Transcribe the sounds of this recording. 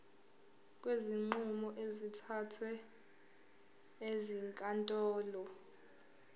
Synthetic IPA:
k̬ʼweziŋ͡ǃumɔʔezitʰatʰwɛ | eziŋkʼantʼɔːlɔ

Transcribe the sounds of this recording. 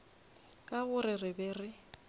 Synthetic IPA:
kʼabʊrɪrɪbɛːrɪ

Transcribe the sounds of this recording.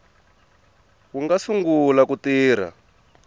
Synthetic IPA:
wuŋɡasuŋɡulakutiːɾ̤a̰

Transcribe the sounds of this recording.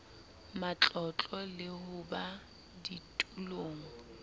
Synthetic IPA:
mat͡ɬʼɔt͡ɬʼɔlɪhʊba | ditʼuloːŋ̩

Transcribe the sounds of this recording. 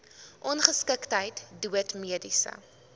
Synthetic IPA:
ʔɔnχəskəktɦəjtduətmiədisə̰

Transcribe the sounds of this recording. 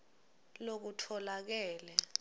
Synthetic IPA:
lok̬utʰɔlak̬ɛːlɛ

